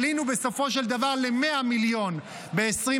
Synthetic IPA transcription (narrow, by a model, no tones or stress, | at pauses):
linube̞so̞fo̞ʃ̬eld̪avaʁle̞me̞amiljo̞n | be̞ːsʁi